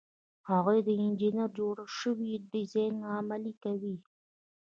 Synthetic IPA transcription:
haɣujd̪əɪnd͡ʒinaɾd͡ʒoɽaʃəwiɖɪzɑjnamalikawi

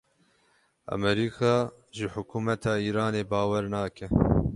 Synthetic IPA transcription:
a̰mɛɾiːkʰɑː | ʒɨħʊkʰuːmɛt̪ʰɑːiːɾɑːneːbɑːwɛɾnɑːkɛ

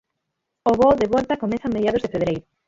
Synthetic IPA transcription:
oβoðeβɔlt̪ɐkomɛθɐameðjað̞ozðefeβɾejɾʊ

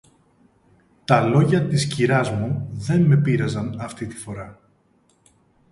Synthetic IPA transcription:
t̪ɐlo̞ʝɐt̪isciɾɐzmuðe̞nme̞piɾɐzɐnɐft̪it̪i̥fo̞ɾɐ

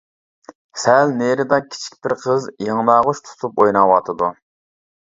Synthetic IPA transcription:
sɛlneɾɪd̪ɑkʲʰi̥t͡ʃʰi̥k̚ʲbɪɾqʰəzjəŋnɑːʁʊʃt̪ʰu̥t̪ʰupojnɑwɑt̪ʰɨd̪u

